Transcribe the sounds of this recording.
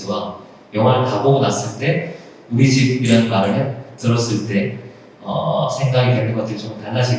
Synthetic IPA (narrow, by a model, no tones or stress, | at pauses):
ɡwa | jʌŋɦwaɾɯkaboɡonas͈ɯɭt͈e̞ | uɾid͡ʑib̚iɾanmaɾɯmjʌntɯɾʌs͈ɯɭt͈e̞ | ʌ̰sʰe̞ŋɡaɡidwenːɯnŋɡʌt͈ɯɾit͡ɕomtanːaɕʰi